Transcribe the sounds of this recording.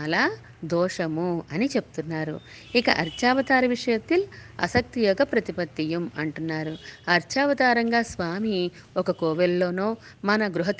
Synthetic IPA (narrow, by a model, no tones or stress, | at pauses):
ɐlaː | d̪ɔːʂɐmuɐnit͡ʃepu̥t̪unːaːɾṵ | ikɐ̰ʔɐɾt͡ʃaːʋɐt̪aːɾɐʋiʂɐjɐt̪ːilɐ̰sɐk̚t̪ijɔɡɐpɾɐt̪ipɐt̪ːijɐmɐɳʈunːaːɾuɐɾt͡ʃaːʋɐt̪aːɾɐŋɡaːsʋaːmi | ɔkɐkɔːʋelːo̞ːnoː | mɐnɐɡɾuɦɐt̪